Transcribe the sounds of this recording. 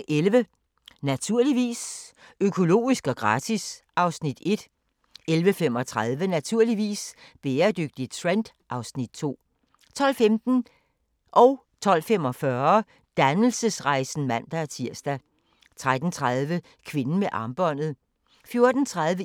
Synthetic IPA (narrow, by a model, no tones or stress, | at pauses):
ʔelʋə | næt͡sʰuɐ̰liʋḭːsøkʰo̝lo̝̰ːisɡ̥ɒ̽ɡ̥ʁɑ̈ːt͡sʰisɑ̈ʊsnid̥e̝d̥ | elʋəfemɒ̽t͡sʰʁað̞ˠʋənæt͡sʰuɐ̰liʋḭːsb̥eːɐd̥øɡ̥̚d̥id̥̚t͡sʰʁend̥ʔɑ̈ʊsnid̥̚t͡sʰo̝̰ː | t͡sʰɒ̽l̰femd̥n̩ | ʔɒ̽ʊ | t͡sʰɒ̽l̰fem̰ɒ̽fɶɐ | d̥ænl̩səsʁɑ̈ɪsn̩mæn̰d̥ææɐt͡sʰiɐ̰sd̥æ | t͡sʰʁad̥n̩t͡sʰʁað̞ˠʋə | kʰʋe̝nn̩meʔɑ̈ːmb̥ɒ̽n̰ð̩ˠ | fjo̝ɐd̥n̩t͡sʰʁaðˠʋə